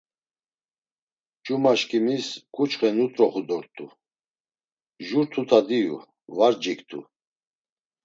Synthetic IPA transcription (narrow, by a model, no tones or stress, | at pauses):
d͡ʒumaʃkʰʼimiskʼut͡ʃχɛnut̪ʼɾɔχud̪ɔɾt̪ʰʼu | ʒuɾt̪ʰut̪ʰad̪iṵ | vaɾd͡ʒikt̪ʰʼṵ